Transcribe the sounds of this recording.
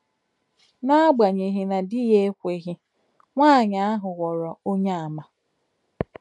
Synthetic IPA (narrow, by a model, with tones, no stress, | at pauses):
na˦ɡ͡ba˨ɲe˨ɦɪ˨na˨di˦je˦kʷe˨ɦɪ˦ | ŋʷaː˦˨ɲa˨˦a˦ɦʊ˨ɣɔ˨ɾɔ˨o˦ɲa˦˨a˨ma˨